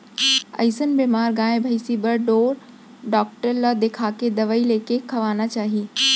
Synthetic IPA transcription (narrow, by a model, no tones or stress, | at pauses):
ɐ̰ɪsənbeːmaːɾɡãːẽbʱɐisibɐɾɖoːɾ | ɖɔːk̚ʈəɾlad̪eːkʰaːked̪ɐʋaːileːkekʰːɐʋaːnat͡ɕaːɦi